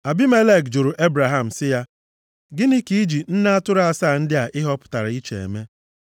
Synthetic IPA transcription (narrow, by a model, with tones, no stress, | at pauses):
a˨bi˦me˦le˦˨kd͡ʒu˨ɾu˨ʔe˦bɾa˨ɦa˦m̩˨sɪ˦ja˦ | ɡɪ˦ni˦ki˦i˦d͡ʒi˨n̩˦na˦a˦tʊ˦ɾa˨saː˦˨n̩˦dɪ˦a˨ʔɪ˦ɦɔ˦pʊ̥˨ta˨ɾi˦t͡ʃḛ˨ḛ˨me˦